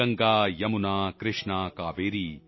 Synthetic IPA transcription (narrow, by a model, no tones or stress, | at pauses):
ɐŋɡaːjɐmunaːkɾɪʂɳakaːʋeːɾi